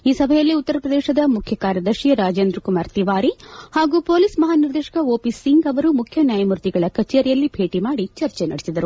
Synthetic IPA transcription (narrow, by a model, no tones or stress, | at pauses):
iːsɐbʱɐjɐlːiut̪ːɐɾɐpɾɐd̪eːʃɐd̪ɐmukʰjɐkaːɾjɐd̪ɐɾʃijɐɾaːd͡ʒeːnd̪ɾɐkumaːɾt̪iʋaːɾihaːɡuːpo̞ːlismɐɦaːniɾd̪eːʃɐ̥kɐoːpisːiŋɡɐʋɐɾumukʰjɐnjaːjɐmuɾt̪iɡɐɭɐkɐt͡ʃːeːɾijɐlːibʱe̞ːʈimaːɽit͡ʃɐɾt͡ʃenɐɽesid̪ɐɾu